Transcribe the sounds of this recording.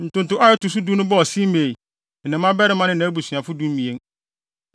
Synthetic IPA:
n̩˨tʊ̃˦ntʊ̃˦ʔa˦ɛ˦tʊ˨s̬u˦du˦nʊ̃˦bɔ˦ɔ˨si˦me˨i˨ | nɪ̃˨mːã˦bɛ˦ɾɪ˦mã˦nɪ̃˦nã˨˦bu˨sɥã˨fʊ˦du˦m̩˦mĩ˨e˦ŋ

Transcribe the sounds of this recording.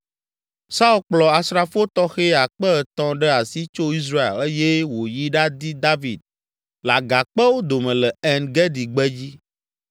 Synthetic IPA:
sa˦u˦lk͡plɔ˨a˨sɾa˦˨fo˦t̪ɔ˦xe˦a˨k͡pɛ˦˨t̪ɔ̃˦ɖɛ˦a˨si˦t͡ʃo˦i˦s̬ɾa˦ḛ˨le˦je˦wo˨ji˦ɖa˦d̪i˦d̪a˦vi˨d̪̚ | la˨ɡa˨k͡pɛ˦wo˦d̪o˨mɛ̃˨lɛ˨ɛ˦nɡɛ˦d̪i˨ɡ͡bɛ˦d͡ʑi˦

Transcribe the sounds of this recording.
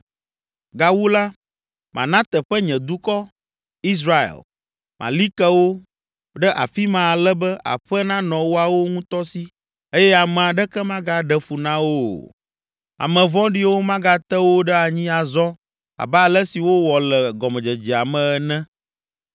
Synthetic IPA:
ɡa˦wu˦la˦ | mʔã̰˨nã˦t̪ɛ˨ɸə˦ɲɛ̃˨d̪u˦kɔ˦ | i˦s̬ɾa˦ḛ˨l | mʔã̰˨li˦kɛ˦wo˦ | ɖɛ˦ʔa̰˨fi˦mã˨a˨lɛ˦bɛ˦ʔa̰˨ɸɛ˦nã˦nɔ̃˨wo˦a˨wo˦ŋũ˦t̪ɔ˦si˦ | e˦jɛ˦a˨mɛ̃˨a˨ɖɛ˦kɛ˦mã˦ɡa˦ɖɛ˦fu˨nã˦wo˦ | a̰˨mɛ̃˨vɔ̃˦ɖi˦wo˦mã˦ɡa˦t̪ɛ˦wo˦ɖɛ˦a˨ɲĩ˦a˨zɔ˦ | a̰˨ba˦˨lɛ˦si˨wo˦wɔ˨lɛ˨ɡɔ˨mɛ˨d͡ʒɛ˨d͡ʑi˨a˨mɛ̃˨ɛ˨nɛ̃˦

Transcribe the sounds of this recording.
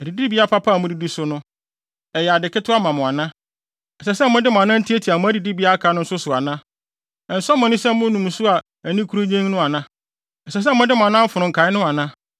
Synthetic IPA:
ɛ˨di˨di˦bi˨˦a˦pʰa˦pʰa˦˨mʊ̃˦di˨di˦sʊ˦nʊ̃˦ | ɛ˨jɛ˨a˨dɪ˨kɪ˦tʰʊ˦a˦mã˨mʊ̃˨a˨nã˦ | ɛ˨sɛ˨sɛ˦mʊ̃˦dɪ˦mʊ̃˨a˨nã˦n̩˦tʰi˦e˦tʰi˨a˨mʊ̃˦æ˦di˨di˦bi˨˦a˦a˦kʰa˨˦n˦ʊ̃˦n̩˦sʊ˦sʊ˨a˨nã˦˨ | n̩˨sʊ˦ɔ˦mʊ̃˨nĩ˦sɛ˦m˦mʊ̃˦nũ˨m˨sʊ˦a˨ | æ˨nĩ˦kʰu˦ɾo˦ɲẽ˦ŋ˦nʊ̃˦a˨nã˦ | ɛ˨sɛ˨s̬ɛ˦˨mʊ̃˦dɪ˦mʊ̃˨a˨nã˦m̩˦fʊ˨nʊ̃˨ŋ̩˨kʰa˨ɪ˦nʊ̃˦a˨nã˦

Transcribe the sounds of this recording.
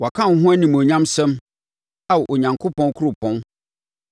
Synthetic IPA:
wa˨kʰã˦˨˦ɦʊ̃˦æ˦nĩ˨m˨o˨ɲã˦msɛ̃˦m | a˦wɔ˨ʔo˨ɲã˨ŋkʰo˦pɔ̃˦nkʰʊ˦ɾʊ˨pʰɔ̃˦n

